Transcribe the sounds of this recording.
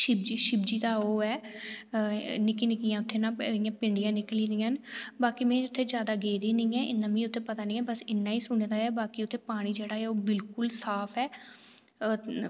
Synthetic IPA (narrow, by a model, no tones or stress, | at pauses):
ʃɪbd͡ʒiʃɪbd͡ʒiːt̪aːoːɛː | nɪkiːnɪkijãːʊt̪ʰːeːnãːɪjãːpɪɳɖijãːnɪkliːɾɪːãːnbaːkiːmɛ̃ːʊt̪ʰːeːd͡ʒjaːd̪aːɡeːɾiːnĩːɛːʔɪ̰nːãːmĩːʊt̪ʰːeːpət̪aːnĩːɛːbəsɪnːãːiːsʊñed̪aːɛːbaːkiːʊt̪ʰːeːpaːɽ̃iːd͡ʒeːɽaːɛːoːbɪlkʊlsaːpʰɛː